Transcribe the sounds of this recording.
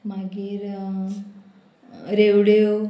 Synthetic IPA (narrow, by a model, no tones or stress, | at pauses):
maɡiɾ | ɾewɽew